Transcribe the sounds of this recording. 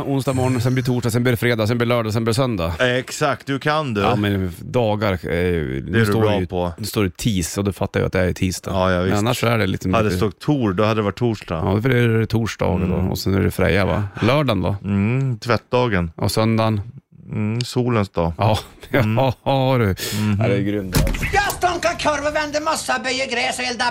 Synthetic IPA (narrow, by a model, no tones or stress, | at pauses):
ʊnsd̪ɑːɡmɔɳsɛnbliːt̪ʰuːʂʈɑːsɛnbliːɾɛfɾeːd̪as̬ɛnbliːɾlœːɖasɛnbliːɛsœnd̪aɛksak̚t̪̚d̪ɵkʰand̪ʉmɛnd̪ɑːɡaɾæjʉ̰nʉːst̪oːpʰɔnʉst̪oːɾɖɛjt̪ʰiːsɔd̪ɵfat̪ːaɾjɪ̰a̰t̪̚d̪ɛɾjʏt̪ʰiːsd̪ʰa̰javɪɛnnːaʂɔæɖɛlɪ̰k̪sɔmhadd̪ːɛst̪ɔkt̪ʰuːdɔhad̪ːədɛvaʈ̚ʰːuːʂdɑɑ̰fœɛɾɛt̪ʰuːʂɖɑ̰ːɡəd̪ɔ̰ɔ̰sɛnæ̰ɖɛfɾɛ̰jːava̰lœːɖanva̰t̪ʰvɛt̪̚d̪ɑːɡənʔɔ̰sœnd̪an | suːlənsd̪ɑːɑːɑ | ɾɛæd̪ɛjɡɾʏnd̪jɑst̪ɔŋkakʰɔɾvavɛnd̪əmɔsːabœjəɡɾɛːsɪld̪a